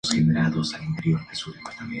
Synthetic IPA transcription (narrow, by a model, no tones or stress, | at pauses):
sxeneɾaðosalint̪e̞ɾjoɾðesuðepart̪ame